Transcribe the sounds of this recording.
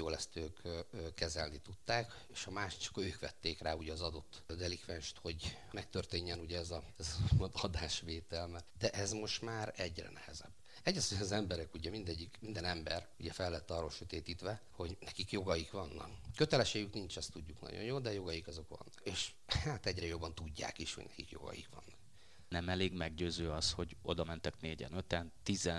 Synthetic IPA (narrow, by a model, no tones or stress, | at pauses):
joːlɛst̪øːkkɛzɛ̰lnit̪ut̪ːaːk | eːʃɒmaːʃi̥t͡ʃɒ̥køːkʋɛ̰t̪ːeːkra̰ːuɟɛɒzɒd̪o̞t̪ːd̪ɛlikʋɛnʃt̪ho̞ɟ | mɛkt̪ørt̪eːɲːɛnuɟɛɛzɒɛzuɟmont̪ɒd̪aːʃʋeːt̪ɛlmɛld̪ɛʔɛzmo̞ʃt̪maːɾɛɟrɛ̰nɛhɛzɛ̰bː | ɛɟːɛsnɒzɛmbɛɾɛkuɟɛmind̪ɛɟːikmind̪ɛnɛmbɛruɟɛfɛlːɛt̪ːɒrːoːʃøt̪eːt̪iːt̪ʋɛho̞ɟnɛkikjo̞ɡɒjikʋɒnːɒ̰kkø̞t̪ɛlɛʃeːjyknint͡ʃɛst̪uɟːuknɒ̰ɟo̰njoːd̪ɛjo̞ɡɒjikɒzo̞kʋɒ̰nːɒkeːʃ | haːt̪ɛɟrɛjo̞bːɒnt̪uɟːa̰ːkiʃho̰ɟnɛkḭkjo̞̰ɡɒ̰jḭkʋɒ̰nːɒk | nɛmɛleːɡmɛɡɟøːzøːɒsho̞ɟo̞d̪ɒmɛnt̪ɛkneːɟɛ̰nøt̪ɛnt̪izɛ